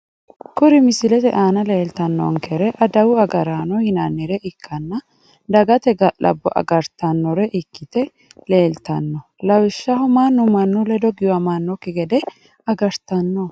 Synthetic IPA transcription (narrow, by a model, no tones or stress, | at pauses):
kʊɾɪmɪsɪlɛt̪ɛʔaːnɐle̞ːlt̪ɐnːɔ̰ŋkɛɾɛʔɐd̪ɐwʊɐɡɐɾaːnɔhɪnɐnːiɾɛʔɪkʰːɐnːɐ | d̪ɐɡɐt̪ɛɡɐlɐ̰bːɔ̰ʔɐ̰ɡɐɾt̪ɐnːɔɾɛʔɪkːɪt̪ɛ | le̞ːlt̪ɐnːɔ | lɐwɪʃːɐɦʊmaːnːʊmɐnːʊlɛd̪ɔɡɪjɐmɐnːɔkɪɡɛd̪ɛ | ɐɡɐɾt̪ɐnːɔ